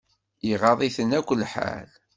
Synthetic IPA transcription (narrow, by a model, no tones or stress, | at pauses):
iʁɑðˤiθənækʷːəlːħa̰l